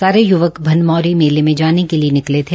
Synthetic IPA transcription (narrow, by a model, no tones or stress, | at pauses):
saːɾejʊʋəkbʱɐnmɔːɾimeːlemẽd͡ʒaːnekelienɪklet̪ʰe